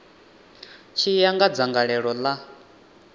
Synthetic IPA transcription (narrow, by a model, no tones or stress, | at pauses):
t͡ʃʰijaŋɡad͡zaŋɡaɺɛɺɔla